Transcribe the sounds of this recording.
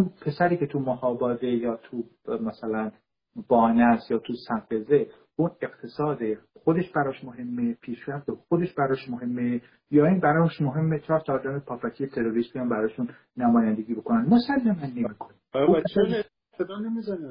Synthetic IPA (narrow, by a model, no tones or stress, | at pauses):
upʰe̞sæɾiːce̞t̪ʰumɔhɒːbɒːd̪e̞jɒːt̪ʰu | mæsælæn | b̥ɒːnæsjɒːt̪ʰusæŋɢeze̞ | une̞qt̪ʰe̞sɒːd̪exod̪e̞ʃb̥æɾɒːʃmoɦe̞mːe̞pʰiːʃɾæft̪exo̞d̪e̞ʃbæɾɒːʃmoɦe̞mːe | jɒːiːnbæɾɒːʃmoɦe̞mːet͡ʃʰɒːɾsːɾd̪ɒmepʰɒːfæt̪ʰijet̪ʰe̞ɾoɾiːsbijɒːmbæɾɒːʃunː | æmɒːjænd̪eɡiːbo̞konænmosælːæmænːemiːkʰoniupʰes | ed̪ːnemizan